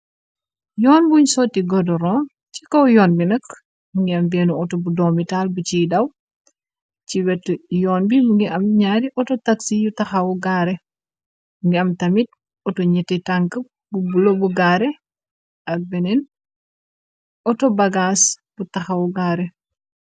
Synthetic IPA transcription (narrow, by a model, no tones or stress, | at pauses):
jɔːnbuɲsɔːtːiɡɔdɔɾɔn | cikɔwjɔːnbinɐk | muŋɡiɐmbɛːnuɔtɔbudɔːmitalbut͡ʃidɐw | ciwɛtːjɔːnbimuŋɡiʔɐmɲaɾiʔɔtɔtaksijutɐxɐwuɡaːɾɛ | uŋɡiɐmtɐmit̚ | ɔtɔɲɛtːɛtaŋkəp̚ | bubulobuɡaːɾɛ | ɐk̚bɛnɛn | ɔtɔbɐɡas | butɐxɐwuɡaːɾɛ